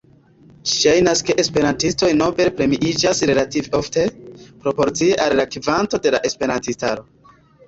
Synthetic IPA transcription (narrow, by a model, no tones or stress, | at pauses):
d͡ʒi̥ʃajnaske̞ʔespe̞ɾantisto̞jno̞be̞ɾpɾe̞miʔid͡ʒasɾe̞lativo̞fte̞pɾo̞po̞ɾt͡sieʔalɾakivanto̞de̞la̰ʔe̞spe̞ɾantistaɾo̞